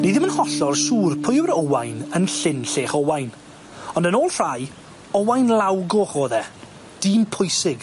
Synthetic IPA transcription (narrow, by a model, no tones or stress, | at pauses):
nejðɪmənhɔɬɔrsuːrpʰʊjwɾɔwajnənɬɪnɬeːχɔwajn | ɔndənoːlˠr̥aj | ɔwajnlˠawɡʊχoːðɛ | d̥iːmpʰʊjsɪɡ̥